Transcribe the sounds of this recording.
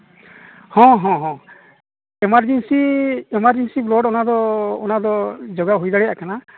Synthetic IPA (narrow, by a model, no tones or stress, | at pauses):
hɔ̃ɦɔ̃ɦɔ̃ | ɛmaɾd͡ʒɛnsiɛmaɾd͡ʒɛnsiblɔɖɔnad̪ɔːnad̪ɔd͡ʒɔɡaɦujd̪aɽɛja̰ʔkana